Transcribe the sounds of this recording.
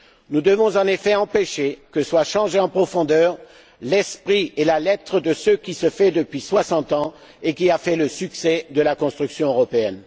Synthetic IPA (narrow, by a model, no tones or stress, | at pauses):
nud̪əvɔ̃zɑ̃nefɛɑ̃peʃekəswaʃɑ̃ʒeɑ̃pχɔfɔ̃d̪œːʁ | lɛspχielalɛt̪χəd̪əsəkʲisəfɛd̪əpɥiswasɑ̃t̪ɑ̃ | ekʲiafɛləsyksɛd̪əlakɔ̃st̪χyksjɔ̃øʁɔpeɛn